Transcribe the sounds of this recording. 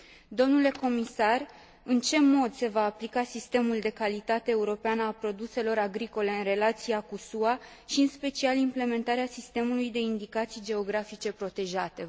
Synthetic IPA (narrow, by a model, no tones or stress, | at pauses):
d̪o̞mnule̞ko̞misar | ɨnt͡ʃe̞mo̞d̪se̞vaːplikasist̪e̞muld̪e̞kalit̪at̪e̞ːuɾo̞peanəalpɾo̞d̪use̞lo̞ɾaɡɾiko̞le̞ɨnre̞lat̪siakusua | ʃiɨnspe̞t͡ʃialimple̞me̞nt̪aɾeasist̪e̞mulujd̪e̞ind̪ikat̪sijd͡ʒe̞o̞ɡɾafit͡ʃe̞pɾo̞t̪e̞ʒat̪e̞